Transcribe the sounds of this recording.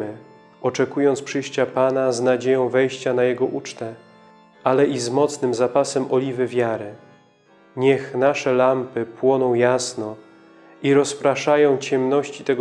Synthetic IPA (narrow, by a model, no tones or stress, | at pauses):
ɘ | ɔt͡ʂɛkujɔnt̪spʂɘjɕt͡ɕapanaznad͡ʑejɔ̃w̃vɛjɕt͡ɕanajɛɡɔʔut͡ʂt̪ɛ | ʔalɛʔizmɔt̪snɘmzapasɛmɔlʲivɘvʲjaɾɘ | ɲɛxnaʂɛlampɘpwɔnɔ̃w̃jasnɔ | iɾɔspɾaʂajɔ̃w̃t͡ɕɛmnɔɕt͡ɕit̪ɛɡ